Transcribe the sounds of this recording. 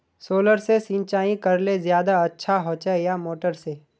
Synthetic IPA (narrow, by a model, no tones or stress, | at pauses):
soːləɾsesĩːnt͡ʃaːĩkɐɾlezjaːd̪aɐtːʃʰaɦoːt͡ʃejamoːʈəɾse